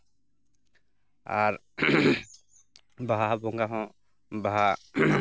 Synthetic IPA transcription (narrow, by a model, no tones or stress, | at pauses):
aɾ | baɦabɔŋɡaɦɔ̃ | baɦa